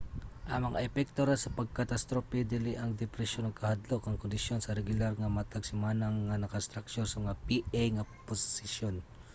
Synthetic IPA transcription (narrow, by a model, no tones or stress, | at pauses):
ʔɐŋmɐŋa̰ʔɛpɛk̚t̪oɾansɐpɐɡ̚kɐt̪ast̪ɾopɛd̪ɪlɪʔɐŋd̪ɛpɾɛʃjonɐŋkʰɐhad̪lokɐŋkʊnd̪ɪsjonsɐɾɛɡʊlaɾŋɐmɐt̪aɡsɪmaːnɐŋːɐnɐkast̪ɾak̚t͡ʃoɾsɐmɐŋapiʔajŋɐposɪsjon